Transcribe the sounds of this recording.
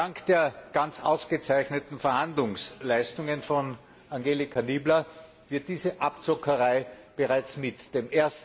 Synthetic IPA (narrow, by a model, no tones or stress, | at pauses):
daŋkd̥eːɐɡ̥ant͡sa̰ʊsɡ̥ət͡sæɪçnətn̩fɛɐhandlʊŋslæɪstʊŋənfɔn | aŋɡeːlɪkʰaniːblɐ | vɪɐt̚d̥iːzəʔapt͡sɔkʰəʁaɪb̥əʁaɪt͡smɪtd̥eːmʔeːɐst